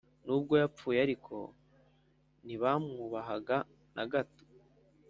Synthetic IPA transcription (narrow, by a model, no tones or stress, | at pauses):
nuːb̚ɡo̞jap͡fuːjaɾikʰo̞̰ | niβamuβaɦaɡa | nʔa̰ɡato̥